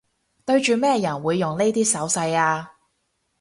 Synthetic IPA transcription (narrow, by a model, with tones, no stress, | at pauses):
t̪ɵ˧ɥt͡ʃyː˨mɛː˥jɐ˨˩nwuː˨˧jːʊ˨ŋle˥jt̪iː˥sɐ˨˥wsɐ˧jaː˧